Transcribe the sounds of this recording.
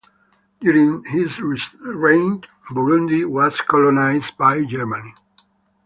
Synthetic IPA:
djuɹĩŋhizɹiɹẽɪ̃n | bɔɹũndiwɔz̥kʰɔlɔnaɪzdbajd͡ʒɛɹmani

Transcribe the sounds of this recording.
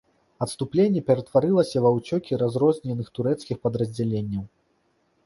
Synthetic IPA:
ɐt̪st̪uplʲenʲːɛpʲɛɾɐt̪vaɾɨlˠɐsʲɐvawt͡sʲɔkʲiɾazɾɔzʲnʲɛnɨxt̪uɾɛt̪skʲixpɐd̪ɾɐzʲd͡zʲalʲenʲːɐw

